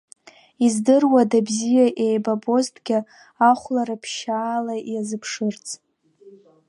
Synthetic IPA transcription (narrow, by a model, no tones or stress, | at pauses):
izdɨrwadabzijaʔe̞jbabo̞ztʰʼɡʲɪ | aχʷlaɾapʰʃaːlajazɨpʰʂɨrt͡sʰʼ